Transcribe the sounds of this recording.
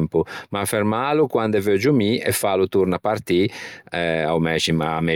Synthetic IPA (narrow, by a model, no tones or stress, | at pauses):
mpumaːfɛɾmalukwand̪ɛvød͡ʒumiɛ̰fːalut̪uɾnapart̪iɛa̰wmɛʃimamɛ